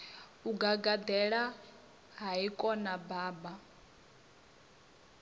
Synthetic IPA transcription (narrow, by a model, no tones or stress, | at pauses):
uɡaɡad̪ɛɺa | ɦaikʼɔnabaːba